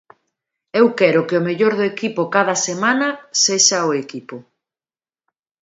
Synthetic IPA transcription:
ewkɛɾʊkeʊmeʎoɾðʊekipʊkað̞ɐsemanɐseʃɐʊekipʊ

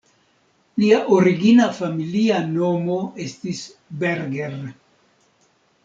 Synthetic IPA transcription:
liaʔoɾiɡinafamiliano̞mo̞e̞stis | beɾɡeɾn

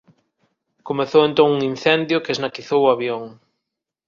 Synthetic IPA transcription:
komeθoẽnt̪oŋuŋĩn̟θɛnd̪jʊkeznakiθowʊaβjoŋ

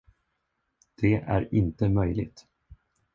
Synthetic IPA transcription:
d̪̥ɛæ̰ɾɪnt̪əmœjlɪ̰t̪

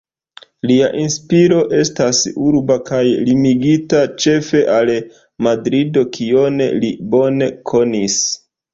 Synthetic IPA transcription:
liaʔinspiɾo̞ʔe̞stasuɾbakajlimiɡitat͡ʃe̞fe̞ʔal | madɾido̞kʰio̞nḛlibo̞ne̞kʰo̞nis

